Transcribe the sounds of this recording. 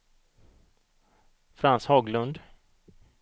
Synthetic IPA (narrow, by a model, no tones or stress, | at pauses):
fɾanshɑːɡlɵnd̪